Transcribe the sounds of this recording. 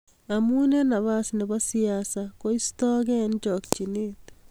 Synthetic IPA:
amunenaβasnɪbasijaːsakoistɔɡɛnd͡ʒɔk̚t͡ʃinit̪

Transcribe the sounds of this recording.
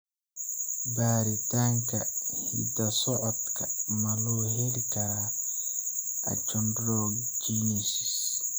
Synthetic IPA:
baːɾitaŋkahḭdasɔʔɔt̪kamalɔwheɾikaɾa | ʔa̰t͡ʃɔndɾɔɡ | d͡ʒinisis

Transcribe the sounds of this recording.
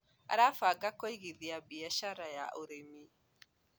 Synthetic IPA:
a̰ɾafaɡakoiɣiðiabiaʃaɾaja̰ʔoɾemi

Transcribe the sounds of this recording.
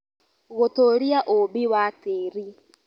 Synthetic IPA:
ɣotoːɾiaʔobiwateːɾi

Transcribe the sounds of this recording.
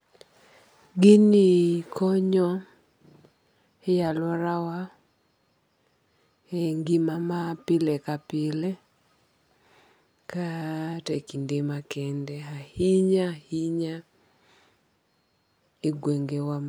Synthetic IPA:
ɡinikʰɔɲɔ | ɛjalwɔɾawa | eŋɡimamapɪlɛkapɪlɛ | katekindemakɛndɛahiɲahiɲa | iɡweŋɡewam

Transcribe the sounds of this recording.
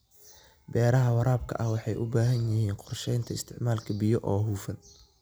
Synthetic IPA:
bɛːɾɐɦɐwɑɾaːb̚kʰɐ̰ʔɐhwɑħɑjʔʊbaːɦɐnjɪhiːnqɔrʃɛjnt̪ʰɐɪst̪ʰɪʕmaːlkʰɐbɪjɔʔɔːɦuːfɐn

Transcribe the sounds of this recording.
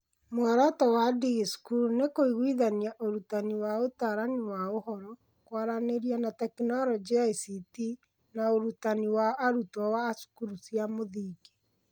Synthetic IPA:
moaɾɔtɔwadiɣskunekoiɣwiðaniaʔoɾutaniwaotaɾaniwaohɔɾɔ | kwaɾaneɾianatɛknɔɾɔd͡ʒiaisiti | naoɾutaniwaʔːɾutwawaːsu̥kuɾusjamoðiːɡe

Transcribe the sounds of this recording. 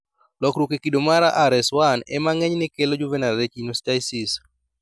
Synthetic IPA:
lɔkɾwokekidomaɾaʔaɾɛswanɛ̰maŋɛɲnɪkelod͡ʒuvɛnaet͡ʃinostasis

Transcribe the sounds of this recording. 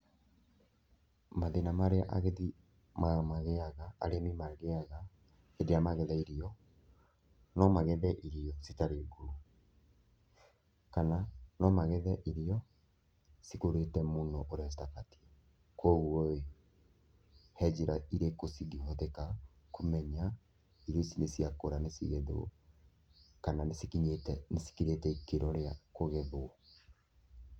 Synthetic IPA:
maðenamaɾeaʔa̰ɣeði | mamaɣeaɣa̰ːɾemimaɣeaɣa | edeamaɣɛðaiɾiɔ | nɔmaɣɛðɛʔiɾiɔsitaɾeɡu | kananɔmaɣɛðɛʔiɾiɔ | sikoɾetɛmonɔʔoɾasitakati̥a | kʰoːɣuoe | hɛd͡ʑiɾaiɾekosiɡihɔðeka | komɛɲa | iɾɔsinesiakoɾanesiɣeðo̰ | kananesikiɲetɛnesi̥kiɾetɛikeɾɔɾeakoɣeðoɔ

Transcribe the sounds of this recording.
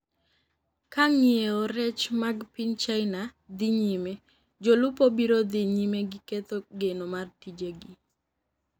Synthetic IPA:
kaŋieoɾɛt͡ʃmaɡpint͡ʃaɪnad̪ɪɲime | d͡ʒolʊpobiɾod̪iɲimeɡiket̪oɡenomartid͡ʒeɡi

